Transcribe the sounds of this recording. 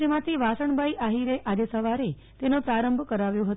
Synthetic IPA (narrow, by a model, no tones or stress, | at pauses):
emãt̪ʰiʋasəɳbʱaiʔaɦiɾeʔad͡ʒesəʋaɾe | t̪enõpɾaɾəmbʱkəɾaʋjõɦət̪